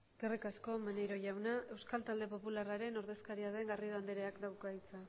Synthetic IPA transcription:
sɡ̥erikasko̞manejɾo̞ʝawnaʔe̞wskalt̪ald̪e̞po̞pularaɾe̞no̞ɾðe̞skaɾiaðe̞ŋɡariðoand̪eɾeakd̪awkajt͡sa

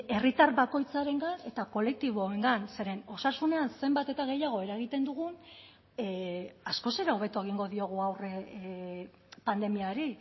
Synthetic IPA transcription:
e̞rit̪arβako̞jt͡saɾe̞ŋɡane̞t̪ako̞le̞k̚t̪iβ̞oeŋɡanse̞ɾe̞no̞sasune̞anse̞mbat̪e̞t̪aɣ̞e̞jaɣ̞o̞e̞ɾaeɣ̞it̪e̞nd̪uɣ̞un | asko̞se̞ɾao̞β̞e̞t̪ue̞ɣ̞iŋɡo̞ðio̞ɣ̞uawre | pand̪e̞miaɾi

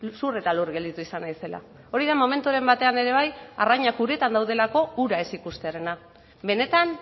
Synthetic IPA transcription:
sure̞t̪alurɣe̞ld̪it̪uisanajse̞la̰ | o̞ɾiðamo̞me̞nt̪uaɾe̞mbat̪e̞ane̞ɾe̞β̞aja̰raɲakuɾet̪and̪awð̞e̞lako̞uɾae̞sikust̪eaɾe̞na | be̞ne̞t̪an

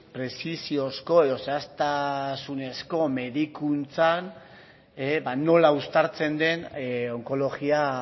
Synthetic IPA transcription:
pɾe̞sisio̞sko̞e̞ðoseast̪asune̞sko̞me̞ðikunt͡san | ebano̞laust̪aɾt͡se̞nd̪e̞no̞ŋko̞lo̞ɣia

